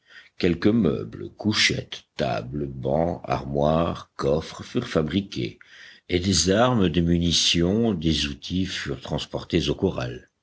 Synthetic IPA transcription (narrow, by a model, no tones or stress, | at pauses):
kʲɛlkəmœ̰bləkuʃɛ̰t̪ːa̰bləbɑ̰̃a̰ʁmwaʁkɔfχfyʁfabʁikʲḛed̪ezaʁməd̪əmynisjɔ̃d̪ezut̪ʰifyʁt̪χɑ̃spɔʁt̪ezokɔʁa̰l